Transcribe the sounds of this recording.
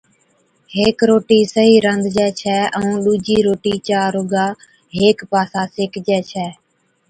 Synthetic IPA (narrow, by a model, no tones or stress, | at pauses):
ɦeːkɾoːʈiːsəɦiːɾənd̪ʱd͡ʒɛːt͡ʃʰɛːəũːɗuːd͡ʒiːɾoːʈiːt͡ʃaːɾoːɡaː | ɦeːkpaːsãːseːkd͡ʒɛːt͡ʃʰɛː